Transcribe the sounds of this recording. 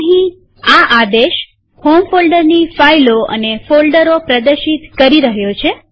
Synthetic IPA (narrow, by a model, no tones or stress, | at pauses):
ɦĩ | aʔad̪eʃ | homfolɖəɾnifailoʔə̰nefolɖəɾopɾəd̪əɾʃit̪kəɾiɾəɦjot͡ʃʰe